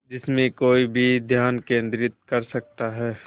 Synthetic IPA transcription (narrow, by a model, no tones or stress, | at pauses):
d͡ʒɪsmẽkoːibʱid̪ʱjaːnkẽːnd̪ɾɪt̪̚kɐɾsɐk̚t̪aɦɛː